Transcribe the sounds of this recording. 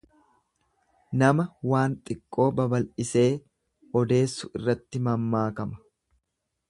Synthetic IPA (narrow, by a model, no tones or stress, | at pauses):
nɐmɐwaːnt̪ʼɪkʼːo̞ːbɐbɐlʔɪse̞ː | ɔd̪e̞ːsːʊɪrːɐt̪ːɪmɐmːaːkɐmɐ̥